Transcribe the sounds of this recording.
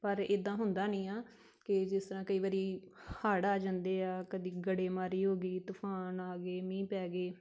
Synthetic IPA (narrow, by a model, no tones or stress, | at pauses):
pəɾɪd̪ãːɦʊnd̪aːnĩːaː | kɪd͡ʒɪst̪əɾãːkəiːʋaːɾiːhaːɽaːd͡ʒãːnd̪eːaːkəd̪iːɡəɽeːmaːɾiːɦoːɡiːt̪ʊpʰaːnaːɡeːmĩːpɛːɡeː